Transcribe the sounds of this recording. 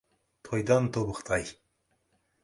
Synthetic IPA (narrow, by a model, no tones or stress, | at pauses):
t̪ʰojd̪ɑnt̪ʰobəqt̪ʰɑj